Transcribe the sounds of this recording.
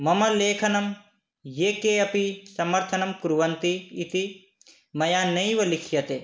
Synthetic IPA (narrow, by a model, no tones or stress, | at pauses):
mɐmɐleːkʰɐnɐm | jeːkeɐpisɐmɐɾt̪ʰɐnɐmkuɾuʋɐnt̪iːt̪i | mɐjaːnɐjʋɐlikʰjɐt̪e